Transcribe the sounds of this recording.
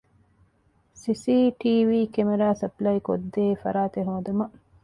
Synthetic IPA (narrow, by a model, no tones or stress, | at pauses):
sisiːʈiːʋiːkemeɾaːsɐplɐjkod̪ːeːfɐ̰ɾaːt̪eɦõːd̪umɐ